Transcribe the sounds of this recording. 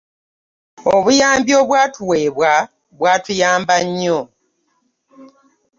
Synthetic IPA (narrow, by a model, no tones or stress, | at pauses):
oβujaːmbjo̞ːβwaːtʰuwe̞ːβwa | βwaːtujaːmbaɲːo